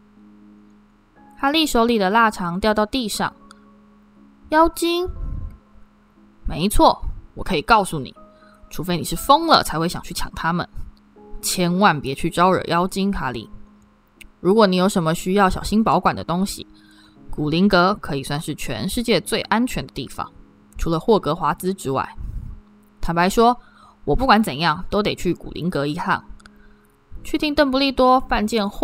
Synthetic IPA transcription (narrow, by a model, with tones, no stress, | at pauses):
xa˧˥li˥˩ʂo˧˥ʊli˨˩d̪ə˩la˥˩ʈ͡ʂʰɑ˧˥ŋt̪jɑ˥˧ʊt̪ɑ˥˧ʊt̪i˥˧ʂɑ̰˥˨˩ŋ | jɑ˥ʊt͡ɕi˥ŋ | me˧˥ɪt͡sʰwɔ˥˩wɔ˨˩kʰɤ˧˥i˨˩kɑ˥˧ʊsu˥˩nḭ˨˩˦ | ʈ͡ʂʰu˧˥˩fe˥ɪni˨˩ʂɻ̩˥˩fɤ˥ŋlə̰˨t͡sʰa˧ɪxwe˥˩ɪɕjɑ˨˩ŋt͡ɕʰy˥˩t͡ɕʰjɑ̰˨˩ŋt̪ʰa˥mə̰˨n | t͡ɕʰjɛ˥nwa˥˩npjɛ˧˥t͡ɕʰy˥˩ʈ͡ʂɑ˥ʊə̰˞˨˩jɑ˥ʊt͡ɕi˥nxʰa˧˥lḭ˥˩ | ɻu˧˥kwɔ˧˥˦ni˧˥jo˧˥ʊʂə˧˥nmə˧ɕy˥jɑ˥˩ʊɕjɑ˨˩ɕi˥npɑ˧˥ʊkwa̰˨˩ndə˩t̪ʊ˥ŋɕḭ˨ | ku˨˩li˧˥ŋkɤ˧˥kʰɤ˧˥i˨˩swa˥˧nʂɻ̩˥˩t͡ɕʰɥɛ̰˧˥nʂɻ̩˥˧t͡ɕjɛ˥˧t͡swe˥˩ɪʔa˥nt͡ɕʰɥɛ˧˥nd̪ə˧t̪ḭ˥˩fɑ̰˨˩˦ŋ | ʈ͡ʂʰu˧˥lə˧xwɔ˥˩kɤ˧˥xwa˧˥t͡sɹ̩˥ʈ͡ʂɻ̩˥wa̰˥˩ɪ | t̪ʰa˥˩pa˧˥ɪʂwɔ˥ | wɔ˨˩pu˥˩kwa˧˥nt͡sə˨˩njɑ˥˩ŋt̪o˥ʊt̪̬e˨˩ɪt͡ɕʰy˥˩kṵ˨˩lḭ˧˥ŋkɤ˧˥i˧˥xa̰˥˩n | t͡ɕʰy˥˩t̪ʰi˧˥ŋt̪ə˥˧ŋp̬u˧li˥˩t̪wɔ˥pa˥˧nt͡ɕjɛ˥˧nx